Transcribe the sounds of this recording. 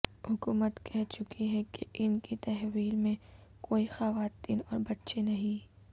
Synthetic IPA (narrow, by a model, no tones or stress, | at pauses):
hʊkuːmət̪kɛɦt͡ʃʊkiɦɛkḛʔɪnkit̪ɐɦʋiːlmẽkoːixɐʋaːt̪iːnɔːɾbɐtːʃenɐɦĩ